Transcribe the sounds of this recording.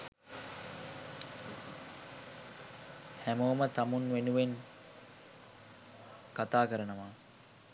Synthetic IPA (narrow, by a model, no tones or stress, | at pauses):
hæmoːmət̪amunʋenuʋen | kat̪aːkəɾənəʋaː